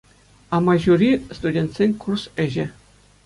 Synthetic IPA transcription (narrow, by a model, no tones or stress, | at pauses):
ɑmɑʑuɾʲist̪udʲent̪ʲsʲenʲkursɘ̆ʑɘ̆